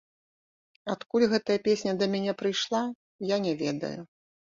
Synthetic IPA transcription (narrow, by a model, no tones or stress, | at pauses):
at̪kulʲɣɛt̪ɐjɐpʲesʲnʲɐd̪ɐmʲɛnʲɛpɾɨjʂlˠa | janʲɛvʲɛ̰d̪ɐ̰ju